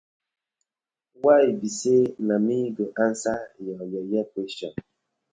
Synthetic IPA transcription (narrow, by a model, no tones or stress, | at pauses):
waibisenamiɡoʔansajɔjɔjɛpeʃɔn